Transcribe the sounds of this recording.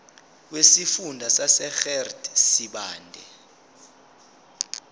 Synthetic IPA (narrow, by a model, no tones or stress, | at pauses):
wesifundʱasasɛxɛrdsiɓaːndʱɛ